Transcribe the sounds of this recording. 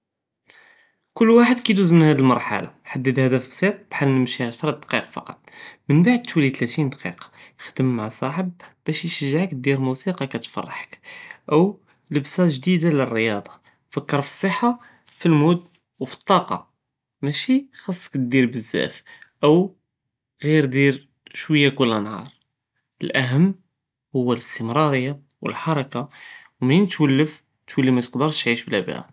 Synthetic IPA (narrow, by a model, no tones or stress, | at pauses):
kʊlːwaħəd̪kæt̪uzmənhæd̪ilmɑɾˤħa̰la̰ħad̪ːəd̪hæd̪æfbsˤit̪̚ˤb̥ħalːnəmʃiʕaʃɾˤɑd̪qiqɑfɑ̰qɑt̪ˤmənbaʕd̪̚t̪wilit̪læt̪ind̪qḭqɑ̥jəxd̪əmːaʕsˤɑħəb̚bæʃjʃəʒːʕəkd̪iɾmusiqɑkæt̪fɑ̰rˤːɑħə̥kʔəw | ləbsæʒd̪id̪alərːəjɑd̪ˤɑ̥ | fəkːəɾˤfi̥sˤəħːa | filmud̪ | wfi̥t̪ˤːɑqɑ̰ | mæʃixɑsˤːə̥kd̪iɾbəzːæ̰fʔəw | ɣiɾd̪iɾ | ʃwəjːækʊlːænhɑ̰ɾˤ | əlʔæɦəmː | hʊwːæləst̪əmɾˤɑɾəjːa | wə̰lħɑɾˤɑkawmint̪wəlːəf | t̪wəlːimæt̪ə̥qd̪əɾʃt̪ʕiʃblæbæ̰ʔæ̰